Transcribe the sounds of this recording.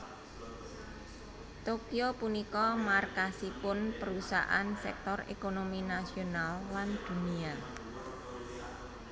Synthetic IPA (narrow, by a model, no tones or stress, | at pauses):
t̪okiopunikɔmarkasipʊnpəɾusa̰ʔa̰nsɛ̰k̚t̪ɔrḛkonominasionalland̪̥ṳnia